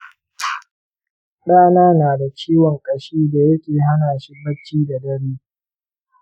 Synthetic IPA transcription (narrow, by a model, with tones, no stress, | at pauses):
ɗaː˦naː˦naː˨da˨t͡ʃiː˦wɔ˨ŋkʼɐ˨ʃiː˦da˨jɐ˦kʲeː˨ɦa˦naː˨ʃi˦bɐ˦t͡ʃːiː˦da˨dɐ˦ɽiː˦